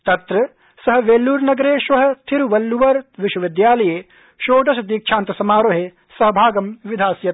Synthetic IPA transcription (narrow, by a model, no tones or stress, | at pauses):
t̪ɐt̪ɾɐ | sɐɦɐ̆ʋeːlːuːɾnɐɡɾeːʃʋɐɦɐ̆t̪ʰiɾuʋɐlːuʋɐɾʋɪʃwɐʋɪd̪jaːlɐjeː | ʃoːʈɐsɐd̪iːk̚t͡ʃʰaːnt̪ɐsɐmaːɾoːɦeː | sɐɦɐbʱaːɡɐmʋid̪ʱaːsjɐt̪